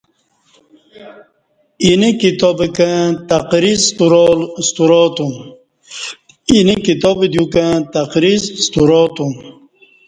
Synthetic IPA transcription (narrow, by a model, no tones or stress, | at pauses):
inikit̪obekẽt̪ɐqɾist̪uɾɔlst̪uɾɔt̪um | inikit̪obed̪jukãt̪ɐqɾizst̪uɾot̪um